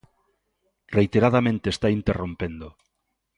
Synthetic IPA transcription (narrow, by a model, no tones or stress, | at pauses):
rejt̪eɾað̞amẽnt̪eːst̪aint̪erompend̪o